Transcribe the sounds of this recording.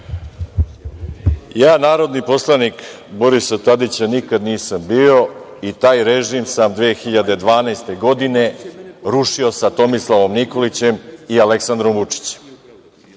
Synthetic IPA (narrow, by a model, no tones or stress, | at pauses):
jaːnaːɾo̞d̪nipo̞slˠanik | boɾisat̪ad̪it͡ɕanikad̪niːsambiːo̞ | it̪aːjɾe̞ʒiːmsamd̪ʋeːxiʎad̪e̞d̪ʋaːnajst̪e̞ɡo̞d̪ine̞ɾuʃio̞sat̪o̞mislˠaʋo̞mniko̞lit͡ɕe̞mialeksand̪ɾo̞mʋut͡ʂi̥t͡ɕe̥m